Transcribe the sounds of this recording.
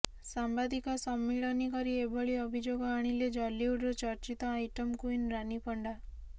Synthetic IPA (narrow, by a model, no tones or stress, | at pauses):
sambad̪ikɔsɔmːiɭɔnikɔɾiebɔɭiɔbʱid͡ʒoɡɔaɽ̃iled͡ʒɔlːiuɖɔt͡ʃɔɾt͡ʃit̪ɔajʈɔmkuinɾanipɔɳɖa